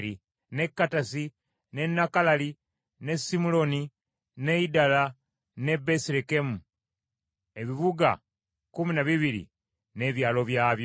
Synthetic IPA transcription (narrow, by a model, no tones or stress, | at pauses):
ɾi | ne̞kːatasi | ne̞nːakalali | ne̞sːimulo̞ni | ne̞idala | ne̞besiɾeke̞mu | e̞βiβuɡa̰ | kuminaβiβiɾḭ | ne̞βjaːlo̞βjaːβj